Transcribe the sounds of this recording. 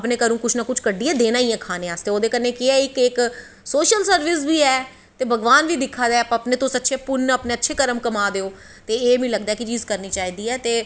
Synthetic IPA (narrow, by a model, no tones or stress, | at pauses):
əpneːkəɾũːkʊt͡ʃʰnaːkʊt͡ʃʰkəɖiːɛːd̪eːnaːiːɛ̃ːkʰaːneːaːst̪eːoːd̪eːkəɾneːkɪɛːɪkɪk | soːʃəlsəɾʋɪs̬biːɛː | t̪eːbʱəɡʋaːnʋiːd̪ɪkʰːaːd̪ɛːəpãəpneːt̪õːsətːʃʰeːpʊnəpneːətːʃʰeːkəɾəmkəmaːd̪eːoː | t̪eːeːmĩːləɡd̪aːɛːkɪt͡ʃiːzkəɾniːt͡ʃaːiːd̪iːɛːt̪eː